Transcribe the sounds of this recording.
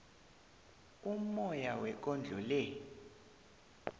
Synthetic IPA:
umɔjawɛk̬ʼɔnd͡ɮʱɔlɛ

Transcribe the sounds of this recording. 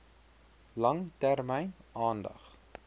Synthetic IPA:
lɐŋtærmɛjnɑːndɐ̰χ

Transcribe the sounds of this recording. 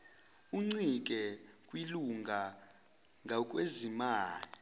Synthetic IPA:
uŋ͡ǀikʼɛkʼwiluŋɡʱa | ŋʱakʼwezimaːli

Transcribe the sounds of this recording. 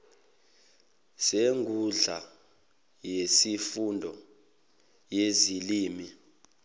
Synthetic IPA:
seŋʱuɮa | jesifundʱɔ | jeziliːmi

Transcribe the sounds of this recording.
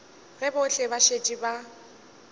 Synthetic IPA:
rɛbʊɬɪbaʃet͡ʃʼiba

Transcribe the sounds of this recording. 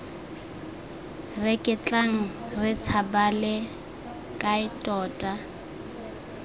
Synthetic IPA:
rɪkʼɪt͡ɬʼaŋ̩ | rɪt͡sʰabalɪ | kʼaɪtʼɔːtʼa

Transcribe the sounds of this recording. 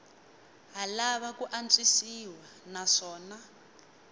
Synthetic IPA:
ɦalaβakuʔant͡sʼisiwa | naʂɔːna

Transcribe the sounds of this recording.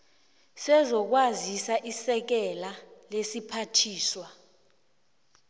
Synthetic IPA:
sɛzɔk̬wazisaʔisɛk̬ɛlalesipʰatʰiːswa

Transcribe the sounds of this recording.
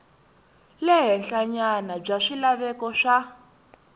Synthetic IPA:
lɛɦɛnɬaɲanab͡ʐaʂilaβɛkɔʂa

